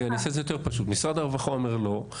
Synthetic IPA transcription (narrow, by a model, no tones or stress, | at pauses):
aniasezejo̞t̪e̞ʁpaʃut̪misʁad̪aʁvaχoomeʁlo̞